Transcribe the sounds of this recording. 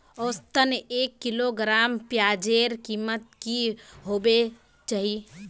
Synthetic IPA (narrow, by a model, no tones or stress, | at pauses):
ost̪əneːkːɪloɡɾaːmpjaːd͡ʒeːɾkiːmət̪̚kiɦoːbe | t͡ʃaːɦi